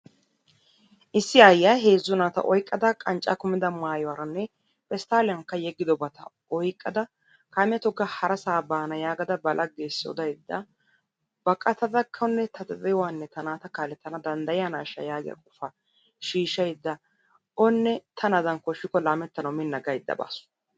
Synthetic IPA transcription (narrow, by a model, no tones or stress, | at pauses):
ʔɪsːɪɐjːaɦe̞ːzːʊnaːt̪ɐ̰ʔɔjkʼːɐd̪ɐkʼɐnt͡ʃʼːɐ̰kʊmɪd̪ɐmaːjɔwɐɾɐnːɛ | pɛst̪aːlɪjɐŋkːɐjɛɡːɪd̪ɔbɐt̪ʰɐ | ɔjkʼːɐd̪ɐ | kaːmɪjɐt̪ɔɡːɐhɐɾɐsaːbaːnɐjaːɡɐd̪ɐbɐlʔɐɡeːsːɪɔ̰d̪ɐjd̪ːɐ | bɐkʼːɐt̪ɐd̪ɐkʰːɐnːɛt̪ʰɐd̪ɛbɛjwanːɛt̪ɐnaːt̪ɐkaːlɛt̪ːɐnɐd̪ɐnd̪ɐjɪanaːʃɐ̰jaːɡɪjɐ̰kʼʊfɐ | ʃiːʃɐjd̪ːɐ | ɔnːɛt̪ʰɐnɐd̪ɐnkɔʃːɪkɔlaːmɛt̪ːɐnɐwmɪnːɐɡɐjd̪ːɐ̰ba̰ːsʊ̥